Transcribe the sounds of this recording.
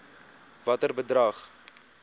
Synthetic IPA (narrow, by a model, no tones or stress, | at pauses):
vɐtərbədrɐχ